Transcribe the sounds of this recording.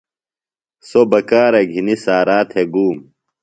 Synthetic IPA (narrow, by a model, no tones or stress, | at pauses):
sobɐkaːɾɐɡʱinisaːɾaːt̪ʰeɡuːm